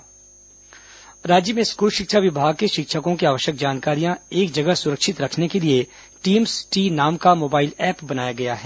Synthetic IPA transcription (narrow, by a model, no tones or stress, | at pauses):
ɾaːd͡ʒjəmẽskuːlʃɪkʃaʋɪbʱaːɡ̚keʃɪkʃəkõkiaːʋəʃjək̚d͡ʒaːnkaːɾijãeːk̚d͡ʒɐɡəɦsʊɾəkʃɪt̪ɾɐkʰnekelie | ʈiːmsʈiːnaːmkamoːbaːɪlɛːpbɐnaːjaɡɐjaɦɛː